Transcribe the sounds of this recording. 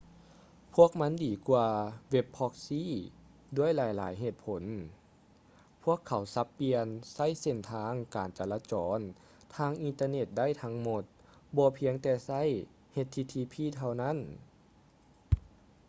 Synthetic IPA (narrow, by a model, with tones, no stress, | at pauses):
pʰu˥˩ək̚ma˧˥ndiː˨˩kwaː˧we˧˥pʰːɔː˧k̚siː˧˥˨ | du˧˥˩əjlaː˨˦jla̰ː˨˩˦jɦeː˧˩t̪̚pʰo˩˦n | pʰu˥˩əkʰːa˨˩˦wsa˧˦˥pːi˧ənsa˥˩jse˧˩nt̪ʰaː˧˥ŋkaː˨nt͡ɕaː˨˩˦laː˧˥t͡ɕɔː˨˦n | t̪ʰaː˧˥ŋʔi˧nt̪aː˧ne˧˩t̪̚da˥˨jt̪ʰa˧˥ŋmo˧˦t̪̚ | bɔː˧pʰi˧əŋt̪ɛː˧˩sa˥˨j | he˧t̪ʰːiː˧t̪ʰiː˧pʰiː˥˨t̪ʰa˧wna˦˥˨n